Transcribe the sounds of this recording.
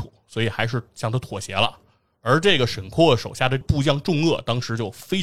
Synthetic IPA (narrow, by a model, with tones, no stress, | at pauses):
u˨˩˦swɔ˧˥i˨˩xa˧˥ɪʂ̬ɻ̩˥˩ɕjɑ˥˩ŋt̪ʰa˥t̪ʰwɔ˨˩ɕjɛ˧˥lə̰˧ | ə˞˧˥ʈ͡ʂɤ˥˩ɡə˩ʂə˨˩nkʰwɔ˥˩əʂo˨˩ʊɕja˥˩d̪ə˧pu˥˧t͡ɕjɑ˥˧ŋʈ͡ʂʊ˥˧ŋɤ˥˩t̪ɑ˥ŋʂɻ̩˧˥t͡ɕjo˥˩ʊfe˥ɪ